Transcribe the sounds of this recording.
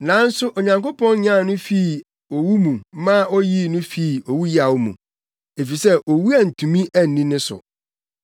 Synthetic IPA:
nã˨˦n̩˦sʊ˦ʔɔ˨ɲã˨ŋko˦pʰɔ̃˦n˦ɲã˦˨nʊ̃˦fi˦˨ | o˨wu˦mũ˨˦mã˦ɔ˦ji˦nʊ̃˦fi˦˨o˨wu˦ji˦a˨wo˦mṵ̃˨ | e˨fi˨sɛ˦ʔo˨wu˦a˨n̩˨tʰũ˨mĩ˦ʔæ˦n̩˨nĩ˦nɪ̃˦sʊ̰˨

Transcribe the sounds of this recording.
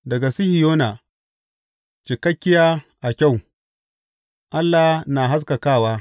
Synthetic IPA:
dɐ˨ɡa˨si˦hi˨joː˦na˨ | t͡ʃɪ˨kɐ˦kʲːɪ˦jaː˦ʔa˨kʲa˦˨w | ʔa˦lːa˨na˨ɦa˦s̬ka˨kaː˦˨waː˦

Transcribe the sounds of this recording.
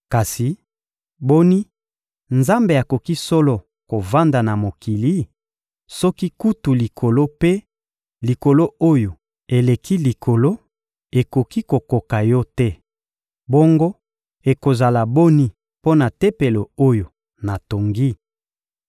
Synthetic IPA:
ka˨si˨ | bo˦ni˦ | nza˦mbe˨a˨ko˨ki˦sɔ˦lo˦ | ko˨va˦nda˨na˨mo˨ki˨li˦ | sɔ˦ki˦ku˦tu˨li˨kʰo˨lo˦pe˦ | li˨ko˨lo˦o˦jo˨ | e˨le˨kʰi˦li˨kʰo˨lo˦ | e˨ko˨ki˦ko˨ko˨ka˨jɔ˦tɛ˦ | bo˦ŋɡo˦ | e˨ko˨za˨la˨bo˦ni˦ | po˦na˨te˦pe˨lo˨o˦jo˨ | na˨to˨ŋɡi˦

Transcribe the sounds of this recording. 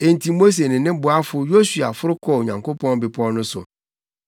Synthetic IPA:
e˨n̩˨tʰi˨mo˦s̬e˨nɪ̃˨nɪ̃˦bʊ˨a˦fʊ˦jo˦su˨a̰˨fʊ˦ɾʊ˦kʰɔ˦˨o˨ɲã˨ŋko˦pʰɔ̃˦n˦bɪ˨pʰɔ̃˦n˦nʊ̃˦sʊ̰˨

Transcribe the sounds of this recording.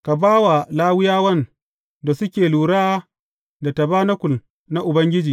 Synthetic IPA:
ka˨baː˦wa˨laː˦wɪ˦jaː˦wɐ˦n | da˨sʊ˦kʲeː˨luː˨ɾaː˦ | da˨ta˨baː˦na˦kʷʊ˨l | na˦ʔʊ˨bɐ˦ŋɡʲɪ˦d͡ʒiː˨

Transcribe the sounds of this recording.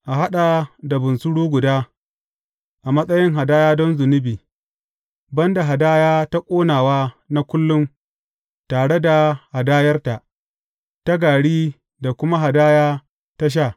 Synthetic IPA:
ʔa˨ɦa˦ɗa˨da˨bʊ˨nsʊ˦ɽuː˦ɡʷʊ˨daː˦ | ʔa˨mɐ˦sʼɐ˦jɪ˦ŋɦa˨daː˦jaː˦dɔ˦nzʊ˨nɪ˦biː˨ | bɐ˦nda˨ɦa˨daː˦jaː˦ta˦kʷʼoː˦naː˨waː˦ | na˦kʷʊ˦lːʊ˦m | taː˨ɽe˦da˨ha˨daː˦jɐ˦rta˨ʔ | ta˦ɡaː˨ɽiː˦ | da˨kʷʊ˦ma˦ɦa˨daː˦jaː˦ | ta˦ʃ̬aː˦˨

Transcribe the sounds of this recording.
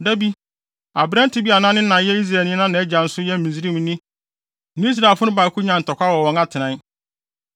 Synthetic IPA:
dɛ˦bi˦ | a˨bɾɛ̃˦n˦tʰɪ˨˦bi˦a˨nã˦nɪ̃˦nã˨jɛ˦i˦s̬ɾaː˨nĩ˦nã˦nã˨˦ɛ˦d͡ʑa˨n̩˦sʊ˦jɛ˦m̩˨mĩ˨s̬ɾi˦m̃˦nĩ˦ | nɪ̃˦i˦s̬ɾa˨fʊ˦ʊ̃˦baː˨kʰʊ˦ɲã˨n̩˨tʰɔ˨kʷa˦wɔ˨wɔ̃˨ŋa˦tʰɪ˨nã˨˦n

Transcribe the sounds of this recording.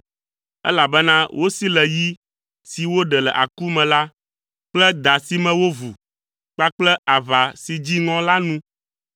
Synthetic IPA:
ɛ̰˦la˨bɛ˦nã˦wʔo˦si˦lɛ˨ji˦ | si˨wo˦ɖɛ˨lɛ̰˨ʔa˨ku˦mɛ̃˨la˦ | k͡plɛ˦d̪a˨si˨mɛ̃˨wo˦vu˨ | k͡pa˦k͡plɛ˦a˨va˨si˨d͡ʑi˦ŋɔ̃˦la˦nũ˦

